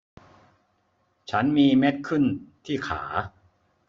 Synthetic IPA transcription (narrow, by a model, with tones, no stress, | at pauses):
t͡ɕʰa˦˥nmiː˧me˦˥t̪̚kʰɯ˥˩nt̪ʰiː˥˩kʰa̰ː˩˦